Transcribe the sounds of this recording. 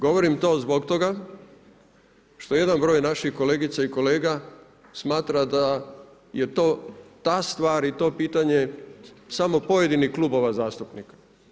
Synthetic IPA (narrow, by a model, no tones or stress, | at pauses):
ɡo̞ʋo̞ɾimt̪o̞ːzbo̞kt̪o̞ɡa | ʃt̪o̞je̞d̪anbɾo̞ːjnaʃixko̞leːɡit̪saiko̞leːɡa | smaːt̪ɾad̪a | je̞t̪oːt̪ast̪ʋaːɾit̪o̞ːpiːt̪aɲe̞samo̞po̞je̞d̪iniklubo̞ʋazaːst̪upnikḁ